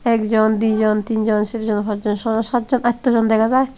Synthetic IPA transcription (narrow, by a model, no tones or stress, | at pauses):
ɛkd͡ʒɔnd̪id͡ʒɔnt̪ind͡ʒɔnsiɾd͡ʒɔnpʰat̪d͡ʒɔnsɔsat̪̚d͡ʒɔnat̪ːɔd͡ʒɔnd̪ɛkazaj